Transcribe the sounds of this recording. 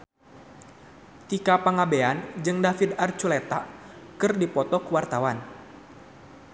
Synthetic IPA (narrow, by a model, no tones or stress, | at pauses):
t̪ikapaŋabeand͡ʒɨŋdafid̪art͡ʃulet̪akɨrdipɔt̪ɔkəwart̪awan